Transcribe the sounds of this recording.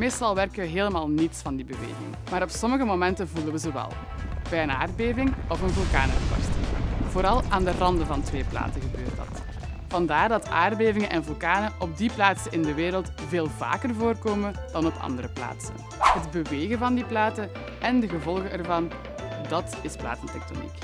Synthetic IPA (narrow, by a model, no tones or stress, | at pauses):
meːstɑlˠʋɛrkəʋəɦeːləmaːlˠnitsfɑndibəʋḛːɣɪ̰ŋmaːɾɔpsɔməɣəmomɛntəvulənʋəzoʋɛ̰lˠ | b̥ɛjəna̰ːrdbeːvɪŋɔvənvʉlˠka̰ːnəkɔ̰stv̥oːɾɑlˠaːndərɑndəvɑntʋeːpla̰ːtəɣəbøːrtdɑ̰t | v̥ɑndaːrdɑta̰ːrdbeːvɪŋənʔɛnvylˠkaːnəʔɔb̚diplaːtsəɪndəʋeːɾəlˠt | veːlˠva̰ːkərvoːrkoːmənd̥ɑnɔpʰɑ̰ndəɾəpla̰ːtsə̰n | ɦədbəʋeːɣəvɑndiplaːtə | ʔɛndəɣəvɔlˠɣəʔɛrvɑn | dɑtɪspla̰ːtəntɛk̚to̰nḭk